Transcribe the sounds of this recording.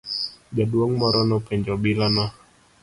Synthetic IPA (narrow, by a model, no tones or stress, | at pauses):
ɡaduɔŋmɔɾɔnɔpɛɲd͡ʒɔbilana